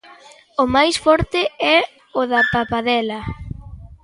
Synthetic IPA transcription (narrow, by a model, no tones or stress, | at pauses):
ʊmajsfɔɾt̪ɪɛ | ʊðɐpapaðɛlɐ